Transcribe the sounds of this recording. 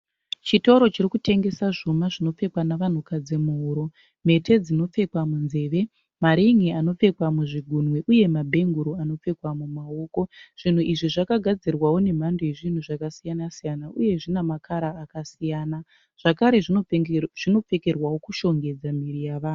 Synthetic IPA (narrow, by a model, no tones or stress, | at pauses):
t͡ʃito̞ɾo̞t͡ʃirikute̞ŋɡe̞saʐomaʐino̞p͡fe̞kwanaʋan̤ukad͡zemoɾo̞ | me̞tʰe̞d͡zino̞p͡fe̞kwamunze̞ːʋe̞ | maɾiŋiano̞p͡fe̞kwamuʐiɡʱunweʔuje̞mabʱe̞ŋɡuɾoano̞p͡fe̞kwamumaoːko̞ʐ̥in̤uʔiʐiʐakaɡʱad͡zirwawo̞ne̞m̤andojeʐin̤uʐakasijanasijanaʔuje̞ʐinamakʰaɾaːkasijaːna | ʐ̥akaɾe̞ | ʐ̥ino̞p͡fe̞ke̞rwawo̞kuʃo̞ŋɡe̞d͡zamirijaʋaːnu